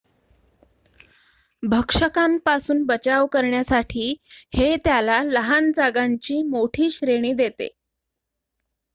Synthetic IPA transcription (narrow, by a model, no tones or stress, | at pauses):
bʱəkʂəkampasuːnbət͡ɕaʋkəɾɳjasaʈʰiːhet̪jalaləɦand͡zaɡaɲt͡ɕiːmoʈʰiːɕɾeɽ̃iːd̪et̪ḛ